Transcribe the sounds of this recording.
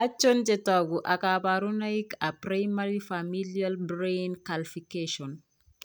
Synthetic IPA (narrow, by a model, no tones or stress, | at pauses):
at͡ʃːond͡ʒetaɡuʔakabaɾunaikapɾajmaɾifamilialbɾenkalifikeʃɔn